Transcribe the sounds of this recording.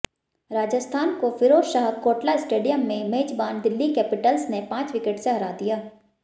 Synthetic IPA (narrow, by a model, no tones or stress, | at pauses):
ɾaːd͡ʒəst̪ʰaːnkofʰɪɾoːsʃaːkoːʈlaɪsʈeːɖijəmːẽmeːd͡ʒbaːnd̪ɪlːikɛːpɪʈəlsnepãːt͡ʃʋɪkeʈseɦɐɾaːd̪ijaː